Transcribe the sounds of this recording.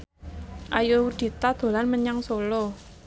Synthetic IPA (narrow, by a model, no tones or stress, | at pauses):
ʔajowud̪̥i̤t̪ad̪̥o̤lanməɲaŋsolo